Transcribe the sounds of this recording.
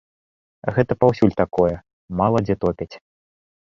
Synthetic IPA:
ɣɛt̪ɐpawsʲulʲt̪akɔjɛ | malˠɐd͡zʲɛt̪ɔpʲɛt͡sʲ

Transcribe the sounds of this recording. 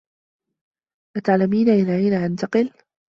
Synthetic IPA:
ʔat̪aʕlamiːnaʔɪnaʕiːnaʔant̪aqɨl

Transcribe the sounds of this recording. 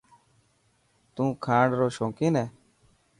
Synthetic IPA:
t̪ũːkʰãːɖɾoːʃõːkiːneː

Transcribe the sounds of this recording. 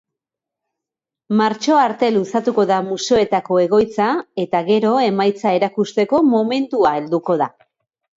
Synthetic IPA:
maɾt͡ʃo̞aɾt̪e̞lusat̪uko̞ðamuseoe̞t̪ako̞e̞ɣ̞o̞jt͡sae̞t̪aɣe̞ɾo̞e̞majt͡sae̞ɾakust̪e̞ko̞mo̞me̞nt̪uae̞ld̪uko̞ða

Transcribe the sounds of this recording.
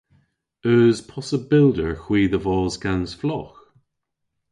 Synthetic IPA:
œːz̥pʰɔsəbɪlˠdəɹxwiːðəvɔːzɡanz̥flɔx

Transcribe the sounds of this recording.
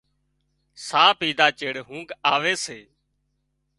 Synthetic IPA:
saːpiːd̪aːt͡ʃeːɽɦũːɡaːʋeːseː

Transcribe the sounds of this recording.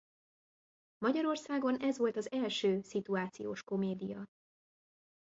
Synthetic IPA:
mɒɟɒɾo̞rsaːɡo̞nɛzʋo̞lt̪ɒzɛlʃøːsit̪uaːt̪sijo̰ːʃko̞meːd̪ijɒ

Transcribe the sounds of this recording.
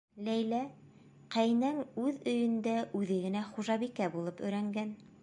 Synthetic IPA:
læjlæ | qæjnæŋʉðɵ̆jɵ̆nd̪æʔʉðɘɡɘ̆næχuʒɑβikæbulˠɤpɵ̆jɾæŋɡæn

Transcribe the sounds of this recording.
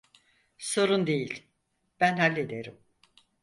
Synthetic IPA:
so̞ɾund̪e̞jilʲ | b̥ænhalʲːed̪eɾim

